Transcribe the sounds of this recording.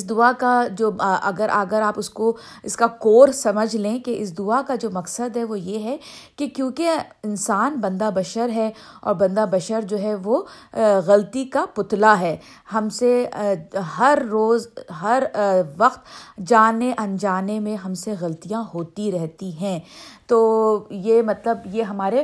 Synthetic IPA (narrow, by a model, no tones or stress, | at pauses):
ɪsd̪ʊakad͡ʒoːʔɐɡəɾʔaɡəɾaːpʊsko | ɪskakoːɾsɐməd͡ʒʱlẽkeʔɪs̬d̪ʊakad͡ʒoːmɐksəd̪ɦɛʋojeɦɛkekjõːkeɪnsaːnbɐ̃nd̪abɐʃəɾɦɛ | ɔ̰ːɾbɐ̃nd̪abɐʃəɾd͡ʒoːɦɛʋoːɣɐlt̪ikapʊt̪laɦɛː | hɐmse | ɦɐɾːoːzɦɐɾʋɐqt̪d͡ʒaːneʔɐ̃nd͡ʒaːnemẽɦɐmseɣɐlt̪ijãɦoːt̪iɾɛɦt̪iɦɛ̃ːt̪oːjeːmɐt̪ləbjeɦɐmaːɾe